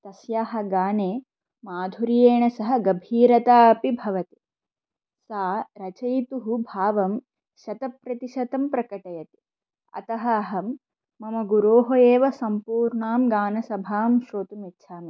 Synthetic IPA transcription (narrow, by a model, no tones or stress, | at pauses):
t̪ɐsjaːɦɐ̆ɡaːneː | maːd̪ʱuɾijeːɳɐsɐɦɐ̆ɡɐbʱiːɾɐt̪aːɐpibʱɐʋɐt̪i̥ | saːɾɐt͡ʃɐjt̪uɦubʱaːʋɐm | ʃɐt̪ɐpɾɐt̪iʃɐt̪ɐmpɾɐkɐʈɐjɐt̪i̥ | ɐ̰t̪ɐɦɐːɦɐmː | ɐmɐɡuɾoːɦojeːʋɐsɐmpuːɾɳaːmɡaːnɐsɐbʱaːmʃɾoːt̪umitːʃʰaːmi